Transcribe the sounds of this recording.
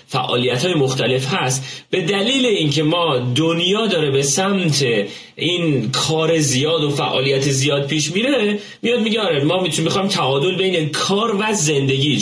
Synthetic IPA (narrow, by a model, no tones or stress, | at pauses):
fæ̰ʔɒ̰ːlijæt̪hɒːjemoxt̪æle̞fɦæst̪b̥e̞d̪æliːle̞incʰe̞mɒːd̪onjɒːd̪ɒːɾe̞be̞sæmt̪ʰe̞ | ʔinkʰɒːɾe̞zijɒːd̪ofæ̰ʔɒ̰ːlijæt̪ʰezijɒːd̪̚pʰiːʃmiɾe | mijɒːd̪̚miɟeɒːɾemɒːmimixɒːjmt̪ʰæɒːd̪o̞lbe̞jnekʰɒːɾvæze̞nd̪e̞ɟʲiː